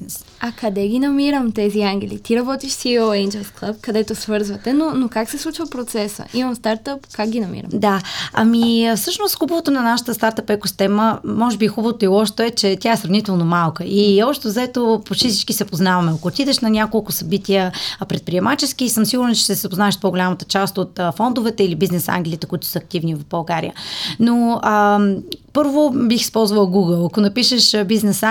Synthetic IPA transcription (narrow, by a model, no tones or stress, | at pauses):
nɛs | ɐkɐd̪ɛɡʲinɐmiɾəmt̪ɛziaŋɡʲɛlḭt̪iɾɐbɔt̪iʃsioɛnd͡ʒɛlˠsklˠəp̚kɐd̪ɛt̪osvɤɾzvət̪ɛnonokaksɛslˠut͡ʃvəpɾot̪sɛsə̰imɐmst̪aɾt̪əpkak̚ɡʲinɐmḭɾə̰md̪aɐ̰mifsɤʃnosxubəvot̪onɐnaʃə̥t̪əst̪aɾt̪əpɛkost̪ɛməmɔʒɛbixubəvot̪oilˠɔʃt̪oɛt͡ʃɛt̪ʲjaɛsɾɐvnit̪ɛlˠnomalˠkəʔiɔʃt̪ovzɛt̪opoʃisit͡ʃkisɛpoznavɐmɛɐkoːt̪id̪ɛʃnɐnʲakolˠkʊsɐbit̪ʲiəpɾɛt̪̚pɾiɛmat͡ʃɛsk̟isɤmsiɡuɾnt͡ʃɛ̥ʃt̪ɛsɛzɐpoznaɛʃt̪̚poɡolʲamət̪ə̥t͡ʃast̪ot̪ːfɔnd̪ʊvɛt̪ɛilibiznɛsa̰ŋɡʲlʲiit̪ɛkʊit̪ʊ̥səːk̚t̪ivnivɐfbɐlˠɡaɾḭənoə | pɤɾvobixi̥spɔlˠzvəlˠəɡuɡəlˠɐkonɐpiʃəʃbiznɛs